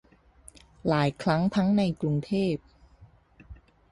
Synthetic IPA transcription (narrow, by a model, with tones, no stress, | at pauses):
laː˩˦jkʰɾa˦˥ŋt̪ʰa˦˥ŋna˧jklu˧ŋt̪ʰeː˥˩p̚